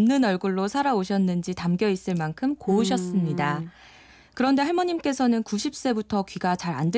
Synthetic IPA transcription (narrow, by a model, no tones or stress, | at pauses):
mnːɯnʌɭɡuɭːosʰaɾaoɕʰʌnːɯnd͡ʑitamɡjʌis͈ɯɭmankʰɯmkouɕʰʌs͈ɯmɲida | kɯɾʌnde̞ɦaɭmʌɲimk͈e̞sʰʌnɯnkuɕʰip̚s͈e̞butʰʌkɥiɡat͡ɕaɾa̰nd